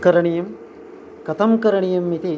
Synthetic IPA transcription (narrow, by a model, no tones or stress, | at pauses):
kɐɾɐɳɪjɐm | kɐt̪ɐmkɐɾɐɳɪjɐmːiði